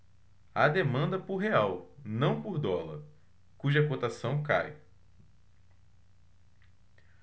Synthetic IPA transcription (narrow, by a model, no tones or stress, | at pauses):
ad̪emɐ̃nd̪ɐpʊɾɦeawnɐ̃w̃poɾd̪ɔlɐ̰ɾ | kuʒɐkot̪asɐ̃w̃ka̰j